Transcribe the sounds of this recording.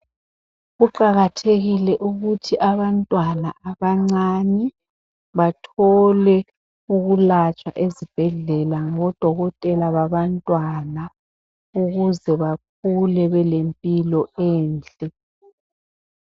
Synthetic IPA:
ɣuǃaɣatʰeɣilɛʔuɣutʰiʔaβantʼwanaʔaβaŋ͡ǀani | βatʰɔlɛ | uɣulat͡ʃʼwa̰ʔezib̥ʱɛɮɛlaŋɔd̥ʱɔɣɔtʼɛlaβaβantʼwana | uɣuzɛβak̚ʰulɛβɛlempʼilɔɛːnt͡ɬʼɛ

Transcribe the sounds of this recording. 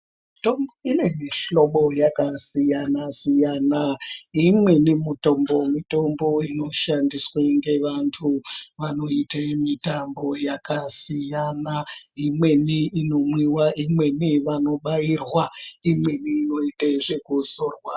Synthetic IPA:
tomboine̞miɬo̞ɓo̞jakasijanasijanaimwe̞nimuto̞mbo̞mito̞mbo̞ino̞ʃandisweŋɡe̞ʋantʰuʋano̞itemitambo̞jakasijanaimwe̞niːno̞mwiwaʔimwe̞niʋano̞ɓajirwaimwe̞niːno̞iteʐekuzoːrwa

